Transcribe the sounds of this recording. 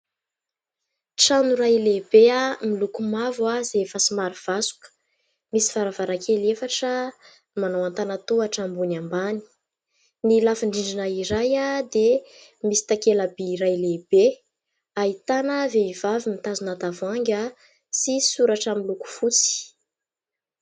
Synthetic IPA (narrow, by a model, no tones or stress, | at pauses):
ʈ͡ʂanuɾajleb̥eamilukumavazefəsimaɾiv̥asu̥kə̥ | misi̥v̥aɾavaɾakʰelefaʈ͡ʂə | nmanawant̪anat̪uaʈ͡ʂambunambani̥ | nilafiɳɖ͡ʐiɳɖ͡ʐinaiɾajad̪emisi̥t̪akelabiɾajlebe | ait̪anəveivavimit̪azunat̪avaŋɡʲa | sisuɾaʈ͡ʂəmiluku̥fut͡si̥